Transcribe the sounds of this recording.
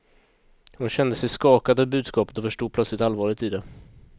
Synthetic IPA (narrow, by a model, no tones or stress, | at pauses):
hʊnɕɛnd̪əsɛjskɑːkad̪əbʉ̟ːd̪skɑːpə̥t̪ɔfœʂʈuːd̪̚plœt̪slɪkt̪alvɑːɭɪt̪id̪ɛ